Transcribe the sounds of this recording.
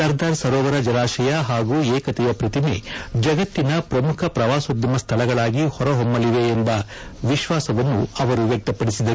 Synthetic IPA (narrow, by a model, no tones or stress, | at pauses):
sɐɾd̪ʱaːɾsɐɾɔːʋɐɾɐd͡ʒɐɾaːʃɐjɐɦaːɡuːɛːkɐt̪ɛjɐpɾɐt̪imḛd͡ʒɐɡɐt̪ːinɐpɾɐmukʰɐpɾɐʋaːsod̪jɐmɐst̪ʰɐlɐɡɐɭaːɡihɔɾɐɦombɐliʋeːmbɐ | ʋiʃʋaːsɐʋɐnːuɐʋɐɾuʋjɐk̚t̪ɐpːɐɽisid̪ɐɾ